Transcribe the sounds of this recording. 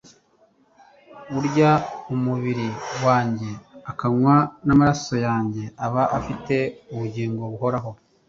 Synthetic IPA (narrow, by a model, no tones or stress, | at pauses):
uɾɟaumuβiɾiwaːɲɟe̞akaŋwanamaɾaso̞jaːɲɟe̞ʔaβaʔafite̞uβuɟiːŋɡo̞βuɦo̞ɾaɦo̞